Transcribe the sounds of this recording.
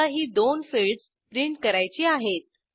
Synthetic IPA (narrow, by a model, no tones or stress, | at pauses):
əɦiːd̪onfiɭɖs | pɾiɳʈkəɾajt͡ɕiːaɦet̪̚